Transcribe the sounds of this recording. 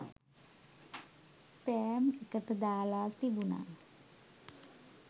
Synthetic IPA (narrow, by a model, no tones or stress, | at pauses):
speɛmɛkət̪ed̪aːlaːlt̪ibuna̰